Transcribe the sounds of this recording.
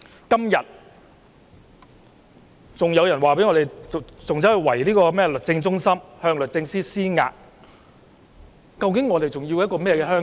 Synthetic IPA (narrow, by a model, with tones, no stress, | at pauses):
kɐ˥mjɐ˨t̚ | t͡sʊ˨ŋjɐ˨˧wjɐ˨˩nwaː˨˩pe˨˥ŋɔː˨˧e˨jt͡sʊ˨ŋt͡sɐ˨˥hɐ˨˧wɐ˨˩jliː˥kɔː˧mɛː˥lɵ˨t̚t͡sɪ˧ŋt͡sʊ˥ŋsɐ˥mhœː˧ŋlɵ˨˩t̚t͡sɪ˧ŋsiː˥siː˥ŋa̰ː˧k̚ | kɐ˧wkɪ˨˥ŋɔː˨˧t̪e˨jt͡sʊ˨ŋji˧wjɐ˥t̚kɔː˧mɛː˥jɛː˧kɛː˧ɦœː˥ŋ